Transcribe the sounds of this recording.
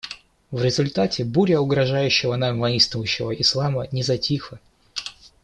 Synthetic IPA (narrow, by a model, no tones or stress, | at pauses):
vɾʲɪzʊlʲt̪atʲɪbuɾʲəʊɡɾɐʐajʉɕːɪvənamvɐist̪vʊjʊɕːɪvəʔɪslˠamənʲɪzɐtʲixɨ